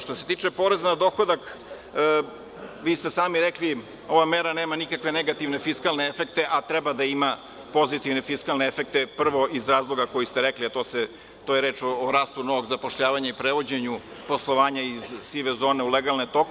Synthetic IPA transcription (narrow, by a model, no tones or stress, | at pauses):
ʃt̪o̞se̞t̪iːt͡ʂe̞po̞ɾezanad̪o̞xod̪akː | ʋiːst̪esaːmiɾekli | o̞ʋameɾaneːmanikakʋe̞ne̞ɡat̪iʋne̞fiskalneefe̞kt̪e̞ʔat̪ɾɛbad̪aima | po̞zit̪iʋne̞fiskalneefek̚t̪epr̩ʋo̞ʔizɾaːzlˠo̞ɡakojist̪eɾekliat̪oːse | t̪oːjeɾe̞ːt͡ʃoːɾaːst̪unoʋo̞ɡzapoʃʎaːʋaɲaipɾeʋo̞d͡ʑeɲu | po̞slˠo̞ʋaːɲaizsiʋezo̞ːne̞uleɡalˠnet̪ok